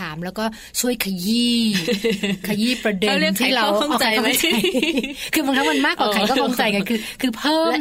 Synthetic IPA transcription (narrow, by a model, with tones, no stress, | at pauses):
aː˩˦mlɛː˦˥wkɔː˥˩ | t͡ɕʰu˥˩əjkʰaː˧jiː˥˩ | kʰaː˧jiː˥˩pɾa˧de˧˥˩t̪ʰiː˧˥˩ɾa˧˩wa˧˩a˧ja˥m˧˦t͡ɕa˧kʰɯː˧ba˧ŋt̪ʰa˦˥ma˧nmaː˥˩kwa˨˩kʰa˩˦kɔː˥˩fŋt͡ɕa˧jka˧nkʰɯː˧kʰɯː˧pʰɤː˥˩˦m